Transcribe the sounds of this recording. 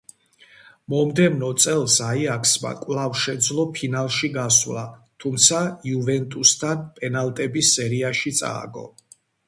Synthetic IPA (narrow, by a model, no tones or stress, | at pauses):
mɔmd̪ɛvnɔt̪sʼɛlˠsaiakʰsma̰kʼwlavʃɛd̪zlˠɔpʰinalˠʃiɡasvlat̪ʰumt̪sʰaiuvɛnt̪ʼust̪ʰanpʼɛnalt̪ʼɛbisɛɾiaʃit̪sʼa̰ːɡɔ̰